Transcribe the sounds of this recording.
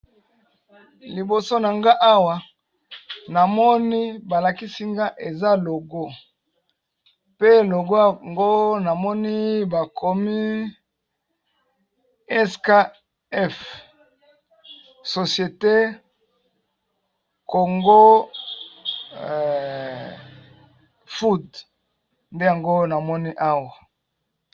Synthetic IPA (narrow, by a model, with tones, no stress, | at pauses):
li˨bo˨so˦na˨ŋɡa˦ʔa˦wa˨ | na˨mɔ˦ni˦ba˨la˨ki˦si˦ŋɡa˦ʔe˨za˦lo˨ɡo˦ | pe˦lo˨ɡo˦a˨ŋɡo˦na˨mɔ˦ni˦ba˨kʰo˨mi˦ | ɛ˦ska˦ | ɛ˦f | so˨sje˨te˦ | ko˨ŋɡo˦˨ | fu˦d | nde˦ja˨ŋɡo˦na˨mɔ˦ni˦ʔa˦wa˨